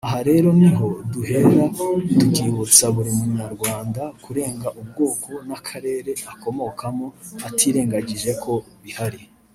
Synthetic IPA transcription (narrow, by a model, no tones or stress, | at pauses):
aɦaɾe̞ɾo̞niɦo̞duhe̞ɾadukiβut͡saβuɾemumuɲaɾɡwaːndakuɾe̞ːŋɡaʔub̚ɡoːkʰo̞nakʰaɾe̞ːɾe̞ako̞mo̞kamoatʰiːɾe̞ːŋɡaɟiʒe̞kʰo̞ | βihaɾi